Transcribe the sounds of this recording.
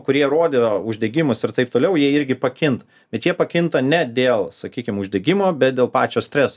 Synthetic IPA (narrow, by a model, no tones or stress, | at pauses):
kʊɾʲiɛɾoːd̪ʲeoːʊʒʲd̪ʲɛɡʲɪmʊsɪrt̪ɐɪp̚t̪oːlʲɛʊjiɛɪɾʲɡʲɪpɐkʲɪnt̪ | b̥ʲɛt̪jiɛpɐkʲɪnt̪ɐnʲɛd̪ʲeːlˠsɐkʲiːkʲɪmʊʒʲd̪ʲɛɡʲɪmoːbʲɛt̪̚d̪ʲeːlˠpɑːt͡ʃʲoːsʲt̪ʲɾʲɛs